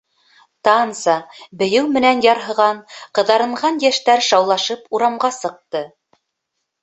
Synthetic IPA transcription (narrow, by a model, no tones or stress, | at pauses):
t̪ɑnsɑbɘ̆jɘwmɘ̆nænjɑɾɦɤ̆ʁɑɴqɤ̆ðɑɾɤ̆ɴʁɑnjæʃt̪æɾʃɑwlˠɑʃɤpuɾɑmɢɑsɤ̆q̚t̪ɤ